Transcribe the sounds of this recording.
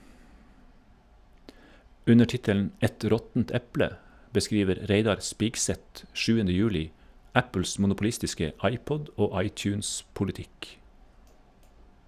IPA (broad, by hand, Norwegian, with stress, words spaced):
ˈʉnə ˈʈɪtəln̩ ˈɛt ˈɾɔtn̩t ˈɛplə bəˈskɾiːʋəɾ ˈɾeɪdɑɾ ˈspɪkˌsɛt ˈʃʉːəndə ˈjʉːlɪ ˈæpl̩s mʊnʊpʊˈlɪstɪskə ˈɑɪˌpɔd ˈoː ˈɑɪˌt͡ʃʉːnspʊlɪˌtɪk